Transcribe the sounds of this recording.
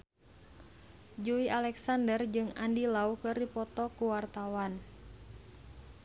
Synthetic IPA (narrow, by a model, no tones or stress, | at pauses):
d͡ʒuiʔalɛksandərd͡ʒɨŋandilaukɨrdipɔt̪ɔkuwart̪awan